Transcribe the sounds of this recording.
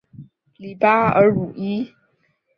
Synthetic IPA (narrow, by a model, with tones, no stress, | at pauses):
li˨˦pa˦ə̰˧˦ɻu˨˩i˦